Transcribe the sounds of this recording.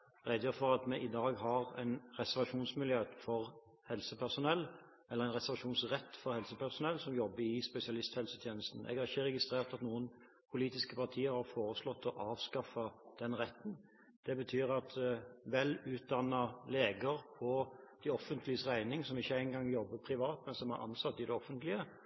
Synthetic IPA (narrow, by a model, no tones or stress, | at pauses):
ʁɛd̪jøːfɔʁɑt̪mɛʔɪd̪ɑːɡɦɑʁæ̰ɪnɾɛsɛʁʋɑʂuːnsmɪljøːfɔʁ | hɛlsəpʰæʁsʊnɛlː | ʔɛlːəæɪnʁɛsɛʁʋɑʂuːnsʁɛt̪ːfɔɾhɛlsəpæʁsʊnɛlːsɔmjɔbːəɪspɛsɪɑlɪst̪hɛlsət̪ʰjeːnəst̪n̩ʔɛ̰ɡæɾɪçːəʁɛɡɪst̪ɾeːʁt̪ɑt̪nuːən | pʰʊliːt̪ɪskəpɑʁt̪ʰiːəɾhɑɾfoːɾəslɔt̪ːɔʔɑːʋskɑfɑd̪̥ɛnʁɛt̪ːn | d̪̥ɛbət̪ʰyːɾɑt̪ʋɛlʉːt̪̚d̪ɑnɑleːɡəɾpʰɔd̪̥ɪɔfənt̪lɪsæɪnɪŋsɔmɪçːəæɪnɡɑŋjɔbːəpʰɾɪʋɑːt̪mɛnsɔmæ̰ɾʔɑ̰nsɑt̪ːɪd̪ɛɔfənt̪lɪə